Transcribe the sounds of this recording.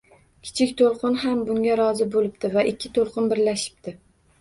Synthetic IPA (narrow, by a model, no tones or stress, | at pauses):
kʲʰɪ̥t͡ʃʰɪkʲt̪ʰolˠqʰɨnɦambʊŋɡʲaɾɒzɪbolɪp̚t̪ɪvaʔɪkʲʰːɪt̪ʰolˠqɨnbɪɾlaʃɪ̥p̚t̪ɪ